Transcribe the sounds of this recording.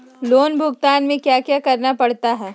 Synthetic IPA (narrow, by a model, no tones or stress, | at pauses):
loːnbʱʊɡt̪aːnmẽkjaːkjakɐɾnapɐɽ̤t̪aɦɛː